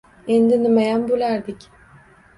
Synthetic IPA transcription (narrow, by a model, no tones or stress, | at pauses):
ind̪inimejænbulʲæɾd̪ic